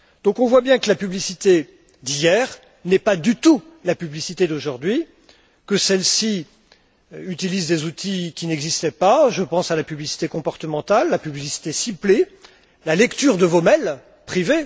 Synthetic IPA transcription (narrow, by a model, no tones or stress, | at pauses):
d̪̥ɔ̃kɔ̃vwabjɛ̃kəlapyblisit̪e | d̪ijɛʁ | nɛpad̪yt̪ulapyblisit̪ed̪oʒuʁd̪ɥi | kəsɛlsi | yt̪ilizd̪ezut̪ʰikʲinɛɡzist̪ɛpaʒəpɑ̃salapyblisi̥t̪ekɔ̃pɔʁt̪əmɑ̃t̪alːapyblisi̥t̪esiple | lalɛkt̪yʁd̪əvomɛl | pχive